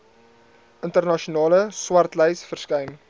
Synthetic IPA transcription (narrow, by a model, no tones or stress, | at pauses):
əntərnɑʃunɑːləswɐrtlɛjsfərskɛjn